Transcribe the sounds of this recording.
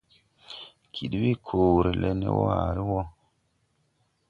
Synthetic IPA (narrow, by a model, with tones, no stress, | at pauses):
kʰi˨ɗwi˦kʰo˨ɾi˨lʔe˦nḛ˦wɔ̰˦a̰˨ɾi˦wɔ˦